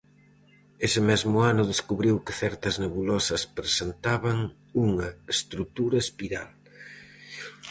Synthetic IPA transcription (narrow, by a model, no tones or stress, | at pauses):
esɪmɛzmʊanʊðeskuβɾiwkɪθɛɾt̪ɐzneβulɔsɐspɾesent̪aβɐŋ | uŋɐest̪ɾut̪uɾɐespiɾa̰l